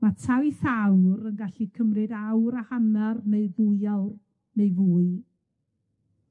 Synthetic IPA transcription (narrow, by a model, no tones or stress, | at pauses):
matʰawiθawrənɡaɬikʰəmrɨdawɾahanarneɨðujawr | neɨvuːɨ